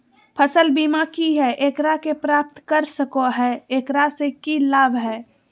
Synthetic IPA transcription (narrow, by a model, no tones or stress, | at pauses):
pʰəsəlbiːmakiɦɛʔeːkɾakepɾaːp̚t̪kəɾsəkoɦɛeːkɾasekilaːbɦɛː